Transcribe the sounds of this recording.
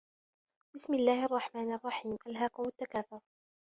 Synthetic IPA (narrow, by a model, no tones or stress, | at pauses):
b̥ɪsmɪlːaːhʔɑrˤːɑħmaːnʔɑrˤːɑħiːmʔalɦaːkʊmʊt̪ːakaːθʊɾ